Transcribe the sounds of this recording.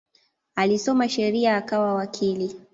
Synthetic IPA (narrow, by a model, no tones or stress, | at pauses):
alisɔmaʃɛɾiaːkawawakʰili